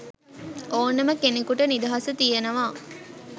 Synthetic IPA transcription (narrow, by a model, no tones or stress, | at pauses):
oːnɐməkenikuʈənid̪ɐɦɐsət̪ijenɐʋaː